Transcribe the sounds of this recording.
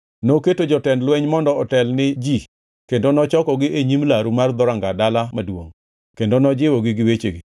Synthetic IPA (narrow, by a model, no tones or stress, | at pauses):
noketod͡ʒɔtɛndlwɛɲmɔndɔɔtɛlnɪd͡ʒi | kendonɔt͡ʃɔkɔɡɪeɲimlaɾumard̪ɔɾaŋɡadalamadwoŋ | kendonɔd͡ʒɪwɔɡɪɡɪwet͡ʃeɡɪ